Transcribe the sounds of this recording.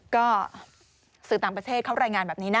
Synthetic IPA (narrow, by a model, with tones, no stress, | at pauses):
kɔː˥˩ | sɯː˨˩t̪aː˨˩ŋpɾt̪ʰeː˥˩t̪̚kʰa˦˥˩wɾaː˧jŋaː˧nbɛː˨˩p̚niː˦˥na˥